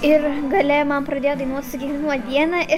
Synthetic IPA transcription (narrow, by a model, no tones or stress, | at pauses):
ɪɾɡɐlʲɛmɐmpɾɐd̪ʲeːjod̪ɐɪnuɔsʊɡʲɛɪɪnuɔtd̪ʲiɛnɐɪ